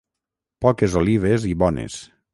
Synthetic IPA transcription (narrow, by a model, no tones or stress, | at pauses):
pɔkezoliβ̞eziβɔnḛs